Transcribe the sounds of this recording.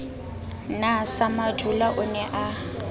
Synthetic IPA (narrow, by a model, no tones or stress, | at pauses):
nasamadʱulaʔʊnɛʔa